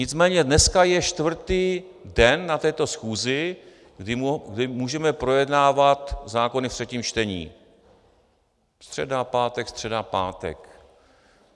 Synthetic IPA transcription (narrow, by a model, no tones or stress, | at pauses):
ɲɪt͡smɛːɲɛdnɛskajɛʃt̪vr̩t̪iːdɛnːat̪ɛːt̪o̞sxuːzɪ | ɡdɪmɡdɪmuːʒɛmɛpɾojɛdnaːvat̪zaːko̞nɪft̪r̥ɛciːmt͡ʃt̪ɛɲḭː | st̪r̝̥ɛdapaːt̪ɛkst̪r̝̥ɛdapaːt̪ɛ̰k